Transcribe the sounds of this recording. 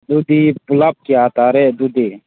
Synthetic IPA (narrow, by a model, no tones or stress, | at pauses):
d̪ud̪ipulap̚kiaːt̪aːɾed̪ud̪iː